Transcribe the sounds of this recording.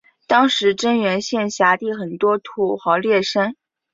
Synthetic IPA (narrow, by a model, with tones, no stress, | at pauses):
t̪ɑ˥ŋʂɻ̩˧˥ʈ͡ʂə˥nɥɛ˧˥nɕjɛ˥˩nɕja˧˥t̪i˥˩xə˨˩nt̪wɔ˥t̪ʰu˧˥˩xɑ˧˥ʊljɛ˥˩ʂa˥n